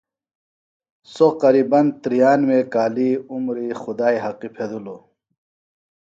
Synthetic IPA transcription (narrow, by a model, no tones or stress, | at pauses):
soqɐɾiːbɐnt̪ɾijaːnmekaːliːumɾiːxud̪aːiɦɐqipʰed̪ulo